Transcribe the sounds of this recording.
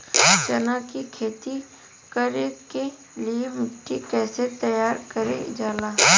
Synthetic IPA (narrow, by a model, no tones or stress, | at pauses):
t͡ʃɐnaːkikʰeːt̪i | kɐɾẽke | liemɪʈːikɛːset̪ɐjaːɾkəɾḛ̃d͡ʒaːlaː